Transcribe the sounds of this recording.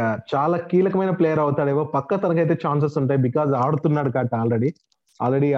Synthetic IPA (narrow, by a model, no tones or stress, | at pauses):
at͡ʃaːlaːkiːlɐkɐmɐjnɐpleːjɐɾɐwut̪aːɽeːʋoːpɐkːɐt̪ɐnɐk̬ɐjt̪̬e̞ːt͡ʃaːns̬ɐsuɳʈaːjibikaːzaːɽut̪unːaːɽukaːʈːaːlɾeɽi | a̰ːlɾeɽi